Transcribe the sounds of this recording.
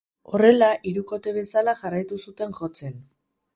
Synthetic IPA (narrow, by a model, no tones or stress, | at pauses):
o̞re̞laʔiɾuko̞t̪e̞β̞e̞salaʝarajt̪usut̪e̞ŋʝo̞t͡se̞n